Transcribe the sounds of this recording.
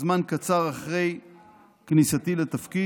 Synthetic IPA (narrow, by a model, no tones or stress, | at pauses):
zmankat͡saʁaχʁe̞j | knisat̪ilet̪afki